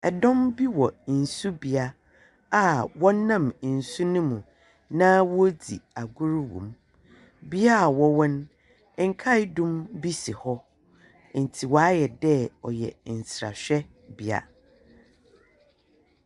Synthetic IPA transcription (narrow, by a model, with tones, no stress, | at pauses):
ɛ˨dɔ̃˦mbi˦wɔ˨n̩˨su˦bi˨a˦ | a˨wɔ̃˦nːã˦˨m˨n̩˨su˦nʊ̃˦mũ˨ | nãː˦wɔ˦dḭ˨a˨ɡʊ˦ɾwṵ̃˨m | bi˦a˦a˨wɔ˦wɔ̃˦n˦ | ŋ̩˦kʰa˦dũ˦mbi˦si˨hɔ˦ | n̩˨tʰi˨wɔ˨a˦jɛ˨dɛ˦ɔ˨jɛ̰˨n̩˨sɾa̰˨ɕᶣɛ˦ | bi˨a̰˨